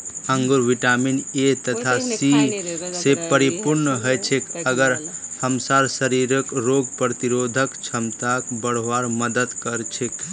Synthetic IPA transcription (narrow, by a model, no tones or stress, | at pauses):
əŋɡoɾʋiʈaminet̪ət̪ʰasisepəɾipuɾnəɦəjt͡ʃʰekəɡəɾhəmsaɾsəɾiɾəkɾoɡpɾət̪iɾod̪ʱəkt͡ʃʰəmt̪akbəɽ̤aɾməd̪əd̪kəɾt͡ʃʰek